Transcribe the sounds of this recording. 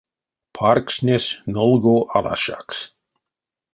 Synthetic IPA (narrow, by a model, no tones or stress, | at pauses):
pʰarksnʲesnolˠɡoʔala̰ʃa̰ks